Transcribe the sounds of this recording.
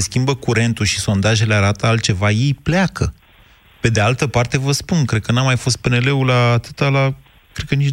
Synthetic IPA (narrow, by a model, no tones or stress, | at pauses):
eskʲimbəkuɾe̞nt̪uʃiso̞nd̪aʒe̞leaɾat̪əalt̪̚t͡ʃe̞vaje̞jplakə | pe̞d̪e̞alt̪əpart̪e̞vəspunkɾekənamajfo̞st̪̚pe̞ne̞le̞ulaːt̪ɨt̪ala | kɾekənit͡ʃ